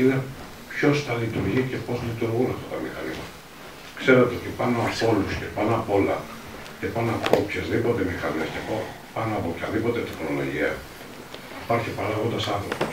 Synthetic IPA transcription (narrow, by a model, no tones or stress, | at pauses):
ine̞ | pço̞sθɐlit̪uɾʝice̞po̞zlit̪uɾɣunɐft̪ɐt̪ɐmixɐnimɐt̪ɐ̥ | kse̞ɾe̞t̪eo̞t̪ipɐno̞ɐpo̞lusce̞pɐnoɐpo̞lɐ | ce̞pɐnoɐpo̞pçezðipo̞t̪e̞mixɐnescepo | pɐnoɐpo̞pçɐðipo̞t̪et̪exno̞lo̞̰ʝiɐ | ipɐɾçipɐɾaɣo̞nd̪ɐsɐnθɾopo̥s